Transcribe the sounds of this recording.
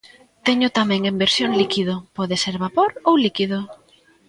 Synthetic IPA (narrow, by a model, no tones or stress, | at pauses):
t̪eɲʊt̪amɛ̃ŋembeɾsjoŋlikið̞opɔðeseɾβapoɾowlikið̞o